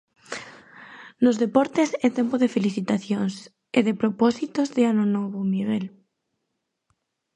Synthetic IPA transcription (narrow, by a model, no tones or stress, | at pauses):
nozðepɔɾt̪esɛt̪empoðefeliθit̪aθjoŋs | eðepɾopɔsit̪ozðɪanonɔβʊmiɣɛl